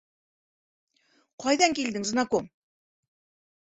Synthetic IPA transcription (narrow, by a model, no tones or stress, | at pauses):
qɒjðɑŋkild̪ɘŋznɑkom